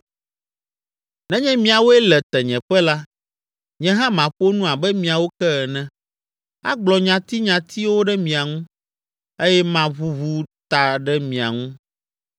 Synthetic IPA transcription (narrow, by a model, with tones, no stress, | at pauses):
nɛ̃˦ɲɛ̃˦mĩ˨a˨wo˦ɛ˦lɛ˨t̪ɛ˨ɲɛ̃˨ɸɛ˦la˦ | ɲɛ̃˦ɦã˦mã˨ɸo˦nũ˦a˨bɛ˦mĩ˨a˨wo˦kɛ˦ɣɛ˨nɛ̃˦ | a̰˦ɡ͡blɔ˨ɲã˨t̪i˦ɲã˨t̪ʰi˦wo˦ɖɛ˦mĩ˨a˨ŋũ˦ | e˦jɛ˦mã˦βu˦βu˦t̪a˨ɖɛ˦mĩ˨a̰˨ŋũ˦